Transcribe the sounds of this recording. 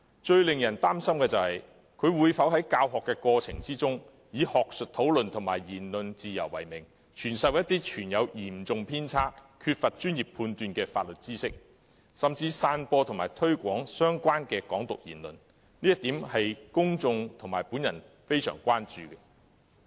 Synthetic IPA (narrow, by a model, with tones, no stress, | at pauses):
t͡ʃɵ˧ɥlɪ˨ŋjɐ˨˩nt̪aː˥msɐ˥mkɛː˧t͡sɐ˨whɐ˨j | kʰɵ˨˧ɥwuː˨˧jfɐ˨˥wɦɐ˨˥jkaː˧wɦɔː˨kːɛː˧kɔː˧t͡sʰɪ̰˨˩ŋt͡siː˥t͡sʊ˥ŋ | jiː˨˧hɔː˨k̚sɵ˨t̚t̪ʰo˨˥wlɵ˨nt̪ʰʊ˨˩ŋma̰ː˨˩jjiː˨˩nlɵ˨nt͡siː˨˧jɐ˨˩wːɐ˨˩jmɪ˨˩ŋ | t͡ʃʰyː˨˩nsɐ˨wjɐ˥t̪ːiː˥t͡ʃʰyː˨˩njɐ˨˧wjiː˨˩mt͡sʊ˨ŋpʰiː˥nt͡sʰaː˥kkʰyː˧t̚fɐ˨t̚t͡ʃyː˥njiː˨p̚pʰuː˧nt̪yː˧nkɛː˧faː˧t̚lɵ˨t̚t͡siː˥sɪ˥k̚ | sɐ˨mt͡siː˧saː˧npɔː˧t̪ʰŋmaː˨˩jt̪ʰɵ˥ɥkʷɔː˨˥ŋsœː˥ŋkʷaː˥nkɛː˧kɔː˨˥ŋt̪ʊ˨k̚jḭː˨˩nlɵ̰˨˩n | niː˥jɐ˥t̪̚iː˨˥mhɐ˨jkʊ˥ŋt͡sʊ˧ŋt̪ʰʊ˨˩ŋmaː˨˩jpuː˨˥njɐ˨˩n | fe˥jsœ̰ː˨˩ŋkʷaː˥nt͡ʃyː˨ɡɛ˧